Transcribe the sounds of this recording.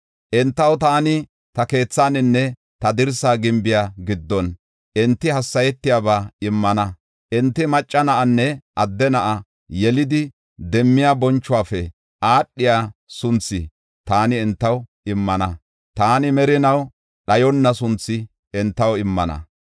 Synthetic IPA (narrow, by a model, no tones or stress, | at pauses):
ʔɪnt̪ːɐwt̪aːnɪ | t̪ɐke̞ːt͡sːaːnɪnːɛ | t̪ɐd̪ɪɾsaːɡɪmbɪjaɡɪd̪ːɔn | ʔɛnt̪ːɪhɐsːɐjɛt̪ːɪjaːbaːɪmːɐnɐ | ʔɪnt̪ːɪmɐt͡ʃʼːɐnɐʔɐnːɛʔɐd̪ːɛnɐʔɐ | jɛlɪd̪ɪ | d̪ɛmːɪjaːbɔnt͡ʃːʊwaːfɛ | ʔaːɗːɪjaːsʊnt͡sːɪ̰ | t̪aːnɪɛnt̪ːɐw | ɪmːɐnɐ | t̪aːnɪmɛɾɪnɐw | ɗɐjɔnːɐsʊnt͡sːɪ | ɛnt̪ːɐwɪmːɐnɐ̰